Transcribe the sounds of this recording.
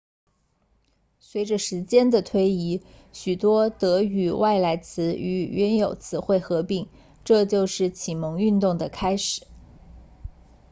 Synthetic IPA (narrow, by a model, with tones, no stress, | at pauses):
swe˧˥ɪʈ͡ʂə˧ʂɻ̩˧˥t͡ɕjɛ˥nd̪ə˨t̪ʰwe˥ɪi˧˥ | ɕy˨˩t̪wɔ˥t̪ɤ˧˥y˨˩wa˥˩ɪla˧˥ɪt͡sʰɹ̩˧˥y˧˥˩ɥɛ˧˥njo˨˩ʊt͡sʰɹ̩˧˥xwe˥˩ɪxɤ˧˥pi˥˩ŋ | ʈ͡ʂɤ˥˧t͡ɕjo˥˧ʊʂɻ̩˥˩t͡ɕʰi˨˩mɤ˧˥ŋy˥˧nt̪ʊ˥˩ŋd̪ə˩kʰa˥ɪʂɻ̩˨˩˦